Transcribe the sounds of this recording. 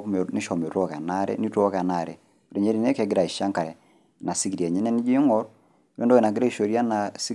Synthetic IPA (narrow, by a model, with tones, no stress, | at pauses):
mɛnɪ˦ʃɔ˨me˨ɾɔ˦ka˨na˦ɾɛ̰˦ni˦tɔ˦ka˨na˨ɾɛ˨ | pɾɛ˨ɲɛ˦ɾi˨nɛ˦kɛ˨ɡɪ˦ɾa˨i˨ʃa˦ŋka˨ɛ˨ | na˨si˦ki˨ɾi˨ɛ˨ɲɛ˦nɛ˦ni˦d͡ʒi˦ŋɔ˦ɾ | wɛ˦ndɔ˦ɛ˨na˨ɡɪ˦ɾa˦i˨ʃo˨ɾja˦na˨s